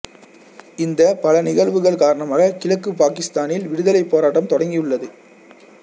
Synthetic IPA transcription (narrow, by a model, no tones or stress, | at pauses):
ɪnd̪ɐpɐlɐnɪɣɐɭʋɯɣɐɭkaːɾɐɳɐmaːɣɐkɪlɐkːɯpaːkɪst̪aːnɪlʋɪɽɯðɐlɐɪpːoːɾaːʈːɐmt̪ɔɽɐŋɡɪjɯɭːɐðɯ